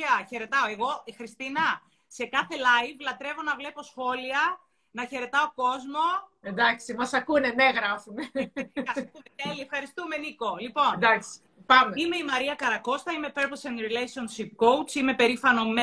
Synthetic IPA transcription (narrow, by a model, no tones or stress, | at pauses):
ɐçe̞ɾe̞t̪ɐo̞e̞ɣo̞ixɾist̪inɐ | se̞kɐθe̞lɐjvlɐt̪ɾe̞vo̞nɐvle̞po̞sxo̞liɐ | nɐçe̞ɾe̞t̪ɐoko̞zmo̞end̪ɐksimɐsɐkuneneɣɾɐfumeɐɾueeliefxɐɾist̪ume̞niko̞lipo̞nnd̪ɐksi̥ | pɐmeime̞imɐɾiɐkɐɾɐko̞st̪ɐime̞peɾplsenɾilesio̞nsip̚kowt͡sime̞pe̞ɾifɐno̞me